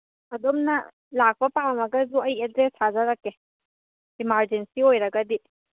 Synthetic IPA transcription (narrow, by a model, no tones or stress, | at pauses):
ɐdomnɐ | lak̚bɐpawmɐɡɐzuɐjedɾesazaɾake | imaɾd͡ʒensiojɾɐɡɐdi